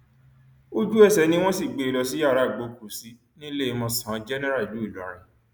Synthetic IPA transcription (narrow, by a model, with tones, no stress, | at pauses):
o˦d͡ʒu˦ɛ˦˨sɛ˨˦nĩ˦w̃ɔ̃˦si˦˨ɡ͡be˨˧˨lɔ˧si˦ja˦˨ɾa˦˨ɡ͡bo˨˦ku˨si˨˦ | nĩ˦le˦˨i˧mɔ̃˧sã˨˦d͡ʒɛ˦nɛ˦ɾa˦˨lu˨˦i˦˨la˦ɾ̃ĩ˧